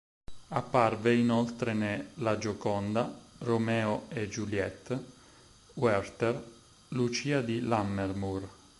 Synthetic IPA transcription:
apːarveinɔlt̪ɾenelad͡ʒokɔnd̪aromɛːoed͡ʒuljɛt̪ː | wɛrt̪er | lut͡ʃiːad̪ilamːermur

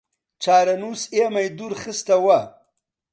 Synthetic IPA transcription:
t͡ʃaːɾɐnusemajd̪uɾxɪst̪awa

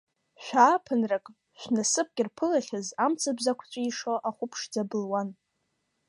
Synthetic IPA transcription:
ʃʷᶣaːpʰɨnrakʼ | ʃʷᶣnasɨp̚ʰɡʲʼɪrpʰɨlaχʲazamt͡sʰɨbzakʷʰt͡ʃʷʼaiʂoʔaχʷʊpʰʂd͡zabɨlwan

